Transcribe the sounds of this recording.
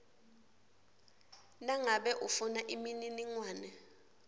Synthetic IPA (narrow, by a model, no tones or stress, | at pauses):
naŋaɓɛʔufunaʔimininiŋwaːnɛ